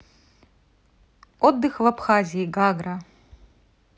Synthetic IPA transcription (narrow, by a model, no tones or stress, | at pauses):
ɔd̪ːɨxvapʰxazʲiiɡaɡra